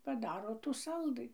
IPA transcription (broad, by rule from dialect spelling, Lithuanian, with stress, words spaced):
pɐˈdɑːroː tuː ˈsɐlˠdɨ